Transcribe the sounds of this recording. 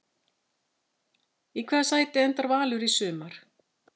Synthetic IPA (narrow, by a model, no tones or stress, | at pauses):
ikʰvɛːðasaːjt̪ɪɛnt̪aɾvaːlʏɾisʏːmaɾ̥